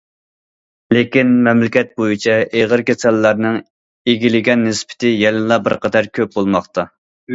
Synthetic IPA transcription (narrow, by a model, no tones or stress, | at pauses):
lekʲinmɛmlɪkʲɛt̪̚bojit͡ʃʰɛʔeʁəɾkʲʰɛsɛlːæɾnɨŋ | eɡʲilɪɡʲɛnːɪspʰɪ̥t̪ʰɪjɛlɪlˠɑbɪɾqʰɑd̪ɛɾkʲʰøp̚bolˠmɑχt̪ʰɑ